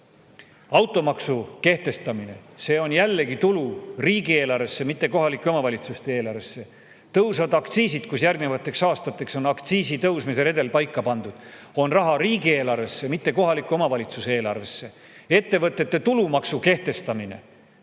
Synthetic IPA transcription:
ɑwt̪ˑo̞mɑksuke̞ht̪e̞st̪ɑmine̞̰se̞ːo̞njælːe̞ɡit̪uluriːɡieːlɑrvesːe̞mit̪ːe̞ko̞ɦɑlikːˑeo̞mɑvɑlʲit̪sust̪e̞e̞ːlɑɾrvesːe̞ | t̪ɤwsɑvɑd̪ɑkt̪siːsid̪̥kusjærɡnevɑt̪ːˑe̞ksɑːst̪ɑt̪ːˑe̞kso̞nɑkt̪siːsit̪ɤwsmise̞ɾe̞d̪e̞lpɑjkːɑpɑnd̪̥ud̪̥ | o̞nrɑɦɑɾiːɡie̞ːlɑrve̞sːemit̪ːe̞ko̞ɦɑlikːˑuo̞mɑvɑlʲit̪susee̞ːlɑrve̞sːe̞ | e̞t̪ːe̞vɤt̪ːˑe̞t̪ːe̞t̪ulumɑksuke̞ht̪e̞st̪ɑmine̞̰

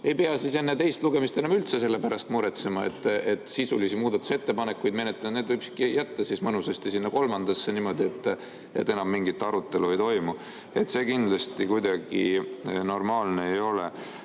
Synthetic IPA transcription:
e̞jpe̞ɑsise̞nːet̪e̞jst̪luɡe̞mist̪e̞nɑmylt̪se̞se̞lːepæɾɑst̪muɾet̪se̞mɑe̞̰t̪ːet̪ːˑsisulisimuːd̪ɑt̪ːˑu̥se̞t̪ːe̞pɑne̞kːujd̪me̞net̪ːˑɑned̪vɯjkskijæt̪ːɑsismɤnusest̪isinːɑko̞lmɑnd̪̥ɑsːenimo̞d̪ie̞t̪ːˑ | e̞̰t̪ːe̞nɑmːiŋɡ̥it̪ːˑɑɾut̪ːˑe̞luejt̪o̞jmu | e̞t̪ːˑse̞ːkind̪lɑst̪ikujd̪ɑɡ̥ino̞rmɑːlneejo̞le

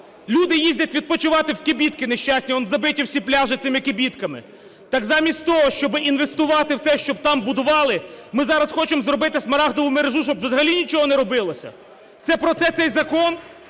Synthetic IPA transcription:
lʲud̪ɪjizʲdʲɐtʲʋʲid̪̚pɔt͡ʃɪʋɑt̪ɪwkɪbʲit̪kɪneʃʲt͡ʃasʲnʲiɔnzɐbɪtʲiwsʲiplʲaʒɪt̪sɪmɪkɪbʲit̪kɐmɪ̰ | t̪ɑkzɑmʲisʲtʲt̪ɔɦɔʃt͡ʃɔbɪʔinʋe̞st̪ʊʋɑt̪ɪwt̪ɛʃt͡ʃɔb̚t̪ɑmbʊd̪ʊʋɑlˠɪmɪzɑɾɐsxɔt͡ʃemzɾɔbɪt̪ɪsmɐɾɑɦd̪ɔʋʊmeɾeʒuʃt͡ʃɔbʋzɐɦɐlʲinʲit͡ʃɔɦɔnɛɾɔbɪlˠɔsʲɐ̰ | t̪sɛpɾɔt̪sɛt̪sɛjzɐkɔn

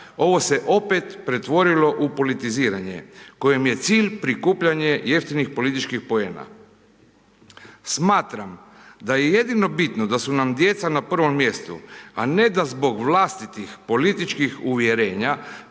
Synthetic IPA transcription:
o̞ʋo̞se̞ʔo̞pet̪pɾe̞t̪ʋo̞ɾilo̞ʔupo̞lit̪iziːɾaɲḛko̞jemje̞t̪siːʎpɾikuːpʎaɲe̞je̞ft̪inixpo̞lit̪it͡ʃkixpo̞e̞ːna̰ | smaːt̪ɾam | d̪ajeje̞d̪ino̞bit̪nod̪asunamd̪je̞t̪sanapr̩ʋo̞mːje̞st̪ṵane̞d̪azbo̞ɡʋlast̪it̪ixpo̞lit̪it͡ʃkixuʋjeɾe̞ːɲa

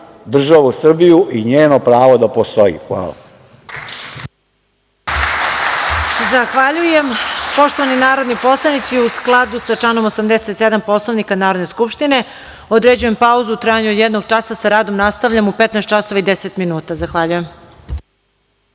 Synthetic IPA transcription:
d̪r̩ʒaʋusr̩bijuʔiɲeːnopɾaːʋod̪apost̪oḭxʋa̰ːlˠa̰ | zaxʋaʎujempo̞ʃt̪oʋaninaːɾo̞d̪nipo̞slˠanit̪siusklˠad̪usaʈ͡ʂano̞mosamd̪eset̪sed̪ampo̞slˠoʋnikanaːɾod̪ne̞skupʃt̪ine̞ | od̪ɾed͡ʑuje̞mpauzuut̪ɾaːjaɲuod̪jed̪noɡ̚t͡ʃasasaɾaːd̪o̞mnast̪aʋʎamupet̪nɛst̪t͡ʃaso̞ʋaid̪eset̪minuːt̪azaxʋaʎujem

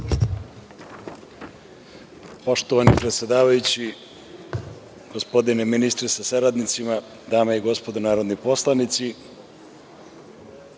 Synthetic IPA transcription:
po̞ʃt̪oʋanipɾet̪sʲed̪aːʋajut͡ɕi | ɡ̥ospod̪ineminist̪ɾesasaɾad̪nit̪sima | d̪aːmaiɡo̞spod̪onaːɾod̪niposlˠanit̪si

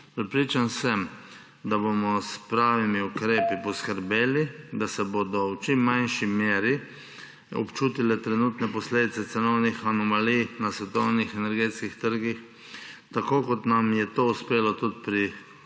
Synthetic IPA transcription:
pɾɛpɾiːt͡ʃansɛm | d̪abomɔspɾaːʋimiukɾeːpipɔskəɾbeːlid̪asɛbod̪ɔwt͡ʃimːanʃimjeːɾi | ɔ̰pt͡ʃuːt̪ilɛt̪ɾɛnut̪nɛpɔsleːd̪it̪sɛt̪sɛnɔwnixanɔmalijnasʋɛt̪ɔwnixɛnɛɾɡeːt̪skixt̪əɾɡix | t̪akoːkɔt̪namjɛt̪ouspeːlɔt̪ut̪̚pɾi

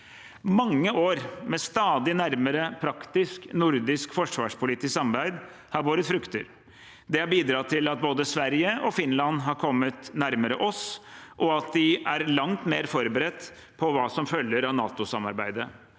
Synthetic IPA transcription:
mɑŋːəʔoːɾmɛst̪ɑːd̪ɪnæɾməɾəpʰɾɑkt̪ɪsknʊɾd̪ɪskfɔʂʋɑ̰ːʂpʰʊlɪːt̪ɪssɑmɾbæɪd̪ | hɑɾʋoːɾət̪fɾʉkt̪əɾ | d̪ɛhɑɾbiːd̪ɾɑːt̪ʰɪlɑt̪̚boːd̪əsʋæɾjəʔɔfɪnlɑnɦɑɾkʰɔmːət̪næɾməɾəʔɔsʔɔɑt̪̚d̪ɪʔæɾlɑŋt̪meːɾfɔɾbəɾɛt̪ː | pʰɔʋɑːsɔmfœlːəɾɑʋnɑ̰ːt̪ʊsɑmɑ̰ɾbæɪd̪ə

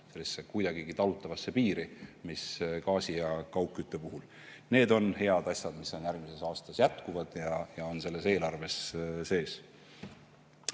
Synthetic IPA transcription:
se̞lːisːe̞kujd̪̥ɑɡ̥iɡit̪ɑlut̪ːˑɑvɑsːe̞piːɾimiskɑːsijɑkɑwkːˑyt̪ˑːe̞puɦul | ne̞ːd̪o̞nhe̞ɑd̪̥ɑsʲjɑd̪̥misːonjærɡmise̞sɑːst̪ɑsjæt̪kuvɑd̪̥jɑjɑo̞nse̞lːe̞se̞ːlɑrve̞sse̞ːs

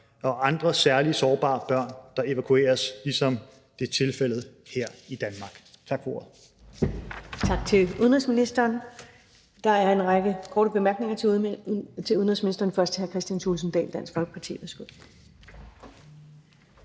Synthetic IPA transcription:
ɒ̽ʔɑ̈nd̥ʁɐsæɐlisɒːb̥ɑ̰̈ːb̥ɶɐ̰nd̥ɑ̈e̝ʋækʰue̝̰ːɐslisɒ̽m | d̥e̝t͡sʰe̝lfel̰ð̩ˠheɐ̰id̥ænmɑ̈ːɡ̥t͡sʰɑ̈ɡ̥fɒo̝ːɐð̩ˠ | t͡sʰɑ̈ɡ̥̚t͡sʰe̝luðˠnʁisminisd̥ɐːn | d̥ɑ̈æɐe̝nʁaɡ̥əkʰɔːɾəb̥e̝mæɐɡ̥ne̝ŋɐ | t͡sʰe̝uð̞ˠn̩ʁisminisd̥ɐːn̩fɶɐsd̥ʰhæɐkʰʁɛsd̥jænsʰuːls̬n̩d̥ɛ̰ːld̥æn̰sɡ̥fɒ̽lɡ̥ə̥pʰɑt͡sʰḭːʋesɡ̥øð̰ˠ

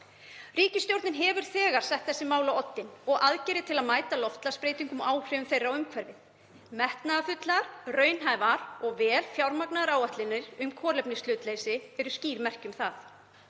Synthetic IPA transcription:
riːcɪst̪jowɾt̪nɪnɦɛːvʏɾ̥θɛːɣaɾ̥sɛht̪θɛsːɪmaːwlawɔt̪ːɪnɔɣʔaðcɛɾɪt̪ʰɪlaðmaːjt̪alɔft̪laspɾeːjt̪iŋkʏmʔaːwhɾɪʏmθejrːawʏmkʰvɛɾvɪθ | mɛht̪naafʏt̪laɾrœːɥnɦaːjvaɾɔɣvɛːlfjawɾmaknaðaɾaːwaht̪lɪnɪɾʏmkʰɔːɾlɛpnɪst̪ʏːt̪leːjsɪɛɾʏsciːɾmɛr̥cʏmθaθ

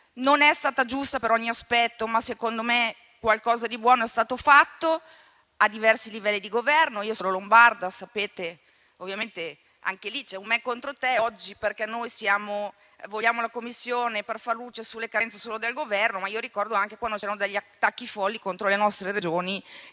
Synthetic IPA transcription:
nonɛst̪aːt̪ad͡ʒust̪apeɾɔɲːiaspɛt̪ːomasekond̪ome | kwalkɔːzad̪ibwɔːnoɛst̪aːt̪ofat̪ːo | ad̪ivɛrsilivɛlːid̪iɡovɛrnoiːosololombard̪asapeːt̪e | ovːjament̪e | a̰ŋkelit͡ʃɛummɛkːont̪ɾot̪ɛɔd͡ʒːiperkɛnːojsjaːmo | voʎːaːmolakomːisːjoːneperfarluːt͡ʃesulːekant̪se̥soːlod̪elɡovɛrnomaioɾikɔrd̪oaŋk̟ekwand̪ot͡ʃɛɾanod̪eʎːiat̪ːakːifɔlːikont̪ɾolenɔst̪ɾeɾed͡ʒoːni

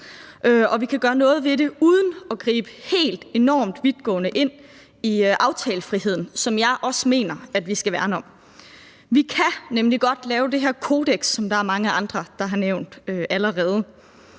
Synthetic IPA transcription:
ʔøʔɒ̽ʋikʰæɡ̥ɶːɐnɔ̽ːð̞̩ˠʋe̝ɾe̝uð̞ˠn̩ɒ̽ɡ̥ʁḭːb̥əhe̝̰ːld̥e̝nɒ̰ːmd̥ʋið̥ˠɡ̥ɔ̰̽ːnəʔe̝n̰ | iʔɑ̈ʊt͡sʰɛːləfʁiɦe̝ð̞̰ˠn̩sɒ̽mjɑ̈ɪʔɒ̽səme̝̰ːnɐæd̥ʋisɡ̥æʋæɐnɒ̽m | ʋikʰænemliɡ̥ɒ̽d̥lɛːʊd̥e̝ɦeɐkʰo̝ːd̥eɡ̥sːɒ̽md̥ɑ̈æɐmɑ̈ŋəʔɑ̈nd̥ʁɐd̥ɑ̈ɦɑ̈neʊ̰nd̥øʔæləʁɛːð̞ˠə

